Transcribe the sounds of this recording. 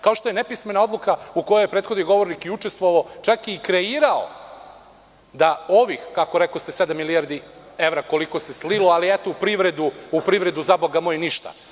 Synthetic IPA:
kaoʃt̪o̞jenepisme̞nao̞d̪lˠukauko̞jaje̞pɾeːt̪xod̪niɡo̞ʋo̞ɾnikiut͡ʃest̪ʋoʋaot͡ʃakiːkɾe̞iːɾao̰ | d̪ao̞ʋixkako̞ɾeklost̪esed̪amːilijaɾd̪i | e̞ʋɾako̞liko̞sesliloaliet̪oupɾiʋɾe̞d̪uupɾiʋɾe̞d̪uzaboɡamojniʃt̪a̰

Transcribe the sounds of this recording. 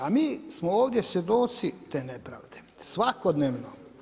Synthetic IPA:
amiːsmooːʋd̪jesje̞d̪ot̪sit̪eːnepɾa̰ːʋd̪e | sʋakod̪neːʋno

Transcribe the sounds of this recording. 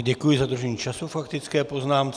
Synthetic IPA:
ɟɛkujɪzadr̩ʒɛɲiːt͡ʃasufakt̪ɪt͡skɛːpo̞znaːmt͡s

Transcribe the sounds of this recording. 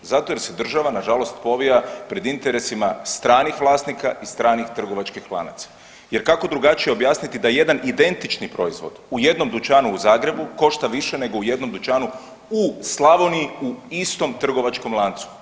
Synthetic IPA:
zat̪ojeɾse̞d̪r̩ʒaʋanaʒalˠo̞st̪po̞ʋijapɾe̞d̪int̪e̞ɾe̞simast̪ɾaːnixʋlˠaːst̪nikaist̪ɾaːnixt̪r̩ɡo̞ʋat͡ʃkixlˠa̰na̰t̪sḁ | je̞ɾkako̞d̪ɾuɡat͡ʃijeo̞bjaːsnit̪id̪aje̞d̪anid̪e̞nt̪it͡ʃnipɾo̞izʋo̞̰d̪uje̞d̪no̞md̪ut͡ʃaːnuuzaːɡɾe̞buko̞ʃt̪aʋiʃe̞ne̞ɡo̞uje̞d̪no̞md̪ut͡ʃaːnu | uslˠaʋonijiuist̪o̞mt̪r̩ɡo̞ʋat͡ʃko̞mlˠant̪su̥

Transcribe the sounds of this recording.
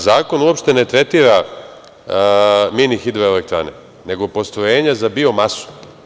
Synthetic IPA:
zaːko̞nuopʃt̪e̞ne̞t̪ɾe̞t̪iːɾa | minixid̪ɾoelek̚t̪ɾa̰nḛ | ne̞ɡo̞po̞st̪ɾojeːɲazabio̞masu̥

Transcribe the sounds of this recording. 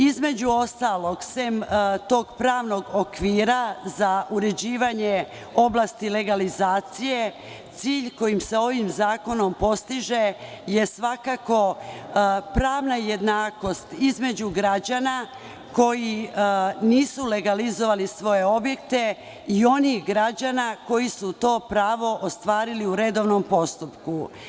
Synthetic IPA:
izme̞d͡ʑuo̞st̪alˠo̞ɡsemt̪o̞ːɡpɾaːʋno̞ɡokʋiːɾazaʔuɾe̞d͡ʑiːʋaɲe | o̞blast̪ile̞ɡalizaːt̪sije | t̪siːʎko̞jimseo̞ʋimzaːko̞no̞mpo̞st̪iʒe̞ | je̞sʋakako̞ | pɾaːʋnajed̪naːko̞st̪izme̞d͡ʑuɡɾad͡ʑana | ko̞ji | niːsule̞ɡalizo̞ʋalisʋo̞je̞o̞bjekt̪e̞ | io̞nixɡɾad͡ʑanako̞jisut̪o̞ːpɾaːʋo̞ʔost̪ʋaːɾiliuɾe̞d̪o̞ʋno̞mpo̞st̪upku

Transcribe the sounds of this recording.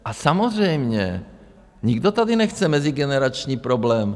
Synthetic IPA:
ʔasamozr̝ɛjmɲɛ̰ | ɲɪɡdot̪adɪnɛxt͡sɛmɛzɪɡɛnɛɾat͡ʃɲiːpɾoblɛːm

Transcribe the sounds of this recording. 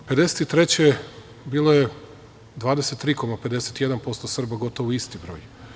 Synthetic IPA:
pe̞d̪e̞set̪it̪ɾe̞t͡ɕe | biːlˠoje | d̪ʋaːd̪ese̞t̪ːɾiːko̞mape̞d̪e̞set̪ije̞d̪anpo̞st̪osr̩baɡo̞t̪oʋuist̪ibɾo̰ːj

